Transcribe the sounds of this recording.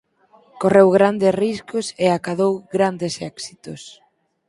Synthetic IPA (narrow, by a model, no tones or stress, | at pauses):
korewɣɾand̪esriskʊseakaðowɣɾand̪esɛksit̪ʊs